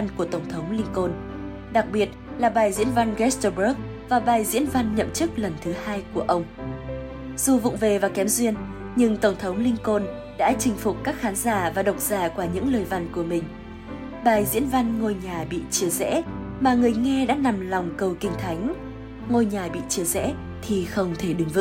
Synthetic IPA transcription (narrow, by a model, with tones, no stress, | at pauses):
a˧nku˧˩ət̪ə˧˩wŋ͡mt̪ʰə˨˦wŋ͡mlï˧ŋko˧n | ɗa˨˩k̚ɓi˨˩ət̚laː˨˩ɓaː˨˩jzḭ˧˥ənva˧nɣɛ˦˥st̪ə˧ɓə˦˥k̚ | vaː˨˩ɓaː˨˩jzḭ˧˥ənva˧nɲə̰˧˨mt͡ɕɨ˦˥k̚lə˨˩nt̪ʰɨ˨˦haː˧jku˧˩əʔə˧wŋ͡m | z̥u˨˩vʊ̰˧˨ŋ͡mve˨˩vaː˨˩kɛ˨˦mzwi˧ən | ɲɨ˧ŋt̪ə˧˩wŋ͡mt̪ʰə˨˦wŋ͡mlï˧ŋko˧n | ɗa̰ː˧˥t͡ɕï˧˩ŋ̟fʊ˨˩k͡p̚kaː˦˥k̚xaː˨˦nzaː˧˩vaː˨˩ɗə˨˩wk͡p̚z̥aː˧˩kwaː˧˩ɲɨ̰˧˥ŋləː˨˩jva˧nku˧˩əmï˨˩ŋ̟ | ɓaː˨˩jzḭ˧˥ənva˧nŋo˧jɲaː˨˩ɓḭ˧˨t͡ɕi˧˩əzɛ̰˧˥maː˨˩ŋɨ˨˩əjŋɛ˧ɗa̰ː˧˥na˨˩mla˨˩wŋ͡mkə˨˩wkï˧˩ŋ̟t̪ʰa˨˦jŋ̟ | ŋo˧jɲaː˨˩ɓḭ˧˨t͡ɕi˧˩əzɛ̰˧˥ | t̪ʰi˨˩xə˧wŋ͡mt̪ʰe˧˩ɗɨ˨˦ŋvɨ̰˧˥